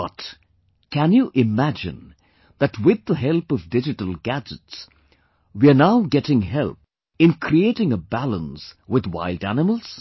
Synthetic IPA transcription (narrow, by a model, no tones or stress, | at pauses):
ʌt | kʰæ̃njuʔɪmæd͡ʒɪ̰̃n | ðɨtwɪd̪ːəɦɛlˠpʌvdɪd͡ʒɨtəl̩ˠɡæd͡ʒɨts | wiənaʊɡɛɾɪ̃ŋɦɛlp | ɨ̃nkʰɾieɪɾɪ̃ŋəbælə̃nswɪðwa̰ɪldænɪməl̩ˠz̥